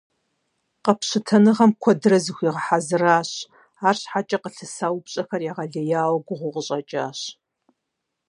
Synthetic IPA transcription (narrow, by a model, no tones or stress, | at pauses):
qɐpɕɪtʰɐnɨʁɐmkʷʰɔdɨrɐzɨxʷiːʁəħazɨraːɕ | aːrɕħat͡ʃʼɐqəɬɨsaːwpɕʼɐxɐrjaʁɐɮɐjaːwɐɡʷʊʁʷʊʁəɕʼɐt͡ʃʼa̰ːɕ